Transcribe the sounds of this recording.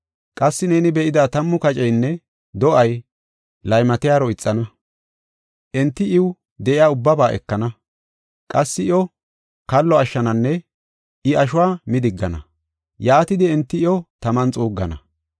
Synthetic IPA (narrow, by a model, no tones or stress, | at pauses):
kʼɐsːɪneːnɪbɛʔɪd̪aːt̪ɐmːʊkɐt͡ʃʼɛjnːɛ | d̪ɔʔɐj | lɐjmɐt̪ɪjaːɾɔɪt͡sʼːɐnɐ | ʔɛnt̪ːɪɪw | d̪ɛʔɪjaːʊbːɐbaːʔɛ̰kːɐnɐ | kʼɐsːɪɪɔ | kɐlːɔɐʃːɐnɐnːɛ | ʔɪɐʃ̬ʊwaːmɪd̪ɪɡːɐnɐ̰ | jaːt̪ɪd̪ɪɛnt̪ːɪɪɔt̪ɐmɐnt͡sʼuːɡːɐ̰nɐ̰